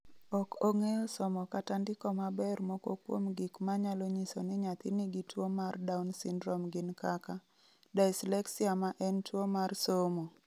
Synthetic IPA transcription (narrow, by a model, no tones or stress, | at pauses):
ɔkoŋejɔsɔmɔkatandɪkɔmabɛrmoko̰kwo̰mɡɪkmaɲaloɲisonɪɲat̪ɪniɡitwomardawnsɪndɾɔmɡɪnkaka | daɪslɛksiamaʔɛntwomarsomo